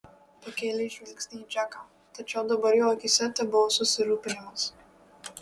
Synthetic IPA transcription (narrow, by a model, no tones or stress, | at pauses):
pɐkʲeːlʲɛʃʲʋʲɪlʲksʲnʲiːd͡ʒʲæka | t̪ɐt͡ʃʲɛʊd̪ɐbɐɾjoːkʲɪsʲɛt̪ʲɛbʊʋosʊsʲɪɾuːpʲɪɛmɐs